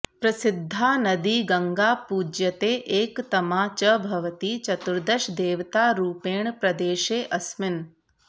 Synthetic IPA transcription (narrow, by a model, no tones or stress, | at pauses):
pɾɐsɪd̪ʱːaːnɐd̪iːɡɐŋɡaːpuːd͡ʒjɐt̪eːʔeːkt̪ɐmaːt͡ʃɐbʱɐʋt̪iːt͡ʃɐt̪uɾd̪ɐʃd̪eːʋt̪aːɾuːpeːɳpɾɐd̪eːʃeːʔɐsmɪn